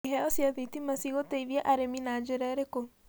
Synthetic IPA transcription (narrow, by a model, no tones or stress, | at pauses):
iɦɛɔsjaðitimasiɣoteiβjaʔaɾeminaːd͡ʒeɾɛɾeko